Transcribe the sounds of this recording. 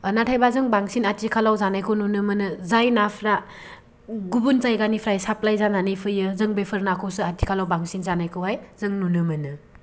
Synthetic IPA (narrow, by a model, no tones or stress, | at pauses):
natʰajbazɯŋbaŋsinatikʰalawzanajkʰɯwnunɯmɯnɯzajnapʰɾa | ɡubunzajɡanipʰɾajsaplajzananɯjpʰɯjɯzɯŋbepʰɯɾnakʰɯwsɯatikʰalawbaŋsinzanajkʰɯwɦajzɯŋnunɯmɯnɯ